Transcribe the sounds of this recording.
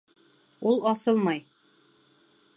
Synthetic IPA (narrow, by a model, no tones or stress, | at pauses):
ulˠɒsɤlˠmɑj